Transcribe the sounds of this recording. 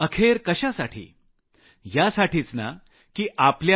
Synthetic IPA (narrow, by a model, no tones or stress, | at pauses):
əkʰeɾkəɕasaʈʰḭː | jasaʈʰiːt͡sna̰ | kiːʔaplja